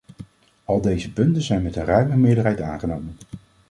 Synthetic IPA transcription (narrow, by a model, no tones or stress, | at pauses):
ɑlˠdejzəpɵntənzɛjnmɛtənrœɥməmɪːɹdəɹɦɛjta̰ːχənowmən